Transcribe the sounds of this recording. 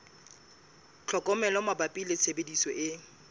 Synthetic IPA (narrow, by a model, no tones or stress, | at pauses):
t͡ɬʰɔkʼɔmɛlɔmabapʼilɪsebedisɔʔɪ